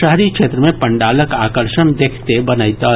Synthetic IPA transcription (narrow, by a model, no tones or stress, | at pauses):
əɦɾikʃʰeːt̪ɾəmẽpəɳɖaːləkaːkəɾʃənd̪ekʰt̪ebənəjt̪ə